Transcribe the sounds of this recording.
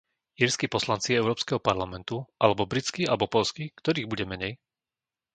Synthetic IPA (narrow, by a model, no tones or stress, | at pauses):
jiɾskipɔslant͡siɛʊɾɔːpskɛɦɔpaɾlamɛnt̪uʔalɛbɔbɾit͡skialɛbɔpɔlskikt̪ɔɾiːɣbuɟɛmɛɲɛj